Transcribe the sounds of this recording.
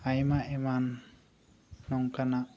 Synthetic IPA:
ajmaʔeman | ɔŋkana

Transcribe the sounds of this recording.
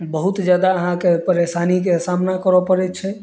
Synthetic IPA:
bəɦut̪d͡ʒjad̪aəɦãkepəɾesanik̬esamnakəɾɔpəɾɛtt͡ʃʰɛ

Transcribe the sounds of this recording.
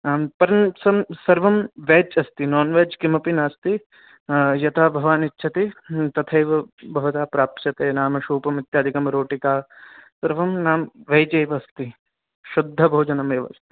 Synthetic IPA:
pɐɾɐnsɐmsɐɾʋɐmʋeːt͡ʃɐst̪inɔːnʋeːd͡ʒkimɐpinaːst̪i | jɐt̪ʰaːbʱɐʋaːnitːʃʰɐt̪it̪ɐt̪ʰɐjʋɐbʱɐʋɐt̪aːpɾaːp̚t͡ʃɐt̪eːnaːmɐʃuːpɐmit̪jaːd̪ʱikɐmɾoːʈikaːsɐɾʋɐmnaːmʋɐjd͡ʒeːʋɐst̪i | ʃud̪ʱːɐbʱoːd͡ʒɐnɐmeːʋɐ̰st̪i̥

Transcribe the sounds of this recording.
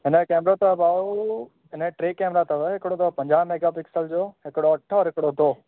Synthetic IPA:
ɦɪnəkɛːmɾot̪obaːu | ɦɪnəʈɾeːkeːmɾat̪ɐʋəɦɪkɪɽot̪opɐ̃ɲd͡ʑaːmeːɡapɪksəld͡ʑoːɦɪkɽoɐʈʰːəɔːɾɦɪkɪɽod̪oː

